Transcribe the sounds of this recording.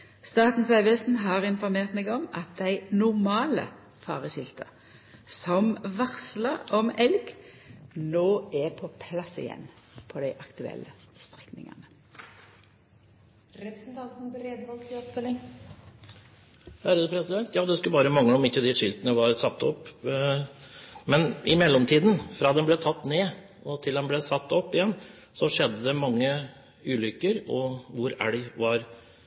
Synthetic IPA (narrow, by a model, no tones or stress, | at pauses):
st̪ɑːt̪n̩sɑɪʋɛst̪n̩ɦɑːʁɪnfɔʁmeːʁt̪mɛɡɔmɑt̪̚d̪æɪnʊʁmɑːlə̰ | fɑ̰ːʁəɕɪlt̪ʰə̰ | sɔmʋɑʁsləɔmɛlɡ | noːɛpʰɔpʰlɑsɪ̰jɛ̰nː | pʰɔd̪æɪʔɑkt̪ʰʉɛ̰lːəst̪ʁɛknɪ̰ŋɑ̰nə | ɾɛpəsnt̪ʰɑnt̪nbɾeːd̪ʋɔlɡt̪ʰɪɔpfœlːɪŋ | hæɾəəpʰɾɛsɪd̪ɛnt̪jɑːd̪ɛskʉlbɑːɾəmɑŋːləɔmɪçːəd̪ɪʂɪlt̪ənəʋɑɾsɑt̪ːɔpː | mɛnʔɪmɛlːɔmt̪ʰiːd̪n̩fɾɑːd̪ɛnblɛːt̪ʰɑt̪ːneː | ʔɔt̪ʰɪld̪ɛnblɛːsɑt̪ːɔpːɪjɛnː | sɔʂɛd̪ːəd̪ɛmɑŋːə | ʉːlʏkːəɾɔʋʊɾæɽɪʋɑɾ